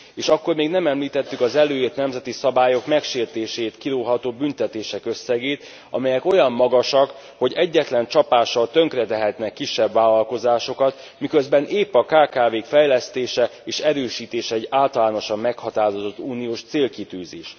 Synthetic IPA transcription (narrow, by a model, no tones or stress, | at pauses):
eːʃɒkːo̞rmeːɡnɛmɛmliːt̪ɛt̪ːykɒzɛløːjeːt̪nɛmzɛt̪isɒbaːjo̞kmɛkʃeːrt̪eːʃeːt̪kiɾoːɦɒt̪oːbynt̪ɛt̪eːʃɛkø̞sːɛɡeːt̪ | ɒ̰mɛjɛko̞jɒmːɒɡɒʃɒk | ho̞ɟɛɟːɛt̪lɛnt͡ʃɒpaːʃːɒlt̪øŋkrɛt̪ɛɦɛt̪nɛkːiʃːɛbvaːlɒlko̞zaːʃo̞kɒt̪ | mikø̞zbɛnʔeːpɒkaːkaːveːkfɛjlɛst̪eːʃɛeːʃɛɾøːʃiːt̪eːʃɛɛɟːaːlt̪ɒlaːno̞ʃɒmːɛkhɒt̪aːɾo̞zo̞t̪ːuːnioːʃt̪seːlkit̪yːzḛːʃ